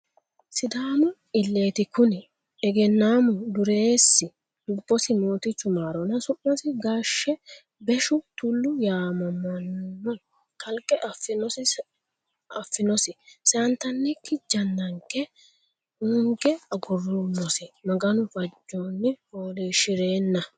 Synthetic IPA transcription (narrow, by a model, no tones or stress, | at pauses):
sɪd̪aːmʊ | ɪlːe̞ːt̪ɪkʊn | ɛɡɛnːaːmʊd̪ʊɾe̞ːsːɪ | lʊbːɔsɪmoːt̪ɪt͡ʃːʊmaːɾɔnɐsʊʔːɔsɪɡaːʃːɛ | bɛʃʊt̪ʊlːʊjaːmɐmɐnːɔ | kʰɐlkʼːɛʔɐfɪnɔs | ɐfːɪnɔsɪsɛɐnt̪ɐnːɛkːɪd͡ʒɐnːɐŋkːɛ | ʊŋɡɛɐɡʊrːunɔsɪmɐɡɐnʊfɐd͡ʒːoːnːɪfoːleːʃɪɾe̞ːnːɐ